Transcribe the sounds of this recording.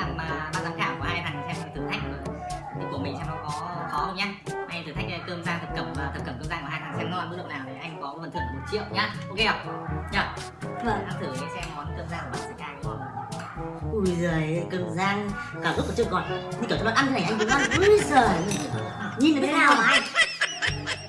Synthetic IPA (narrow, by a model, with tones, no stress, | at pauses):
a˧˩maː˨˩maː˨˩zaː˧˩xaː˧˩wku˧˩haː˧jtʰa˨˩ŋ˩sɛ˧ma˨˩t̪ʰt̪ʰa˦jk̟̪̚ːʰ | ɨ˨˧˩ku˧˩mi̟˨˩sɛ˧nɔ˨˦kɔ˨˦xɔ˨˦hə˧wɲa˧ʔa˧jt̪ɨ˨˩a˦˥k̚ːkəː˧mzaː˧ŋt̪ʰɨ˨˩k̚ːə˧˩mvaː˨˩ɨ˨˩k̚ːə˧˩mkəː˧mzaː˧ku˧˩haː˧j̪ʰaː˨˩ŋsɛ˧mn˨˧˦laː˨˩mɨ˦˥ɗə̰˧˨naː˨˩wt̪ʰi˨˩ʔa˧jŋ̟kɔ˨˦fə˨˩t̪ʰɨ˨˧˩əŋmo˨˩n̚t͡ɕḭ˧˨əwʔɲaː˧ʔʔo˧ke˧ə˨˩wɲəː˨˩ | vəː˨˩ʔa˧t̪ʰɨ˧˩˨mi˧˩sɛ˧mkɔ˨˦nkəː˧mzaː˧n˨˩ɓa̰˨˧˩sɨ˦˥kaː˧ŋ˧˨kɔ̰˨˩˨ | ʔu˧˩jzəː˨˩kəː˧mzaː˧n | kaː˧˩ʔɨ˦˥kːt͡ɕɨ˧˩ə˩kɔ˨˩n˧˩i˧i˧˩˨ʔnt͡ɕ̪ʰːʔza˧m˨˩ə˧zəː˨˩˨ɨ˨˧˩a˨˩ɲi˧nə˨˦˥naː˧˩wmaː˨˦˧